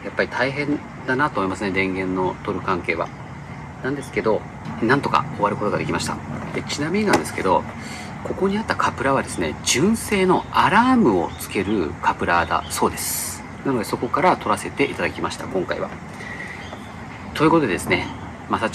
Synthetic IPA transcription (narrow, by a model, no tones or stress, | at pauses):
japːaɾʲit̪ʰaiɦẽ̞n | d̪anat̪oːmoimasɨneɾẽ̞ŋɡẽ̞nːo̞t̪o̞ɾɯ̟kãŋke̞ːβa̰ | nãnd̪e̞sɨ̥ke̞d̪o̞ | nãnt̪o̞ka̰o̞βaɾɯko̞t̪oad̪e̞kʲimaɕi̥t̪a̰d̪̥e̞t͡ɕinamʲiɲinãnd̪e̞sɨ̥ke̞d̪o̞ | ko̞ko̞ɲ̟iat̪ːakʰapɯ̟ɾaβad̪e̞sɨne̞d͡ʑɨ̃ɰ̃se̞ːno̞aɾaːmɯ̟o̞̰t͡sɨ̥ke̞ɾɯ̟kʰapɯ̟ɾad̪a̰so̞ːd̪e̞sɨ̥ | nano̞d̪eso̞ko̞kaɾat̪o̞ɾase̞t̪e̞ʔit̪ad̪akʲimaɕi̥t̪a̰kõ̞ŋkaiβa̰ | t̪o̞ji̟ko̞t̪od̪eesɨne̞ | masa